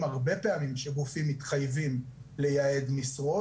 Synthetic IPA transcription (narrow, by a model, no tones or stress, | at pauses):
maʁbe̞pe̞amimʃeɡufimːit̪χajvimle̞jae̞d̪misʁo